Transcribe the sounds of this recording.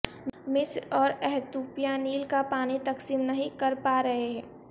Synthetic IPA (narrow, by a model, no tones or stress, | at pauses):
mɪsɾɔːɾɛɦt̪uːpijaniːlkapaːnit̪ɐksiːmnɐɦĩkɐɾpaɾɐɦeɦɛ̃ː